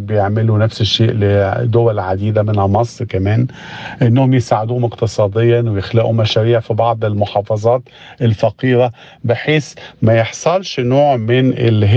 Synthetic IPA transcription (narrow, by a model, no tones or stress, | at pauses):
bɪjɪʕmɪlunæfsɪʃːeːʔlɪd̪ʊwælʕad̪iːd̪amɪnhæmɑsˤɾkæmɛːn | ʔɪnːhʊmjɪsaːʕɪd̪uːhmɪqt̪ɨsˤɑːd̪ejːɑwjɪxlæːʔumæʃæɾiːʕfibɑʕd̪ˤɪlmʊħɑːfɑzˤɑːt̪ | ʔɪlfæqiːɾa | bɪħeːsmæjeħsˤɑlʃnoːʕmɪnɪ̰lɦ